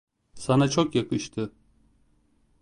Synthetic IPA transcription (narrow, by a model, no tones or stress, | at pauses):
sanat͡ʃʰokjakʰɯʃt̪ʰɯ